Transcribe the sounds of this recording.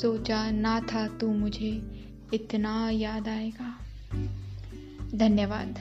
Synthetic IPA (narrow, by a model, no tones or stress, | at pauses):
soːt͡ʃanat̪ʰat̪ũmʊd͡ʒʱe | ɪt̪najaːd̪aːeːɡaː | d̪ʱɐnjəʋaːd̪